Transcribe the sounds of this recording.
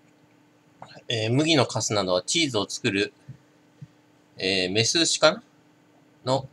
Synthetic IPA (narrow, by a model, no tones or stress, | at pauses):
eːmɯ̟ɡʲino̞kʰasɨnad̪o̞β̞at͡ɕiːzɨot͡sɨ̥kɯ̟ɾɯ̟ | eːme̞sɨːɕi̥kã | no̞